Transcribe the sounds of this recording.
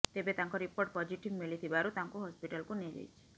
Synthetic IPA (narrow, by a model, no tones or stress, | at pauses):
t̪ebet̪aŋkɔɾipoɾʈ̚pɔd͡ʒiʈibmilit̪ʰibaɾut̪ãŋkuɦɔspiʈalkunelḛjt͡ʃʰi